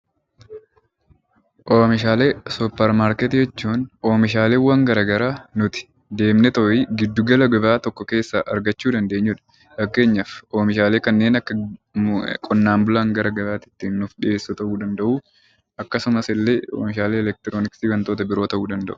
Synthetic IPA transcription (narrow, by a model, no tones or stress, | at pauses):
ʔoːmɪʃaːleːsʊpːɛɾmaːɾkɛt̪ɪjɛt͡ʃːuːnoːmɪʃ̬aːle̞ːwɐŋɡɐɾɐɡɐɾaːnʊt̪ɪ̥ | d̪e̞ːmnɛt̪ɔʔiɡɪd̪ːʊɡɐlɐɡɐbaːt̪ɔkːɔke̞ːsːɐʔɐɾɡɐt͡ʃːuːd̪ɐnd̪eːɲːʊᶑɐ̥ | fɐkːe̞ːɲːɐfoːmɪʃaːle̞ːkɐnːe̞ːnɐkːɐ | kʼɔnːaːmbʊlaːŋɡɐɾɐɡɐɾaːt̪ɪ̥t̪ːɪnːʊfᶑɪʔe̞ːsːʊt̪ɐʔuːd̪ɐnd̪ɐʔuː | ʔɐkːɐsʊmɐsɪlːeːo̰ːmɪʃaːleːɛlɛk̚t̪ɪɾoːnɪksiːɡɐnt̪oːt̪ɐbɪɾoːt̪ɐʔuːd̪ɐnd̪ɐ̰ʔʊ̥